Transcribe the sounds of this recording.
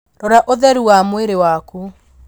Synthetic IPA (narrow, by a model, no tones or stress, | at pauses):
ɾɔɾaʔoðɛɾuwamweɾewaku